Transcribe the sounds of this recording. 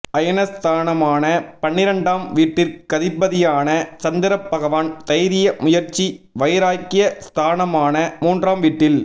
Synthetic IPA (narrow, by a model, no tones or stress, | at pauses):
ʔɐjɐnɐst̪ʰaːnɐmaːnɐpɐɳːɪɾɐɳɖaːmʋiːʈːɪɾkɐðɪbːɐðɪjaːnɐt͡ʃɐnd̪ɪɾɐpːɐɣɐʋaːnt̪ɐjɾɪjɐmʊjɐɾt͡ʃːiʋɐjɾaːjkːɪjɐst̪ʰaːnɐmaːnɐmuːndraːmʋiːʈːɪl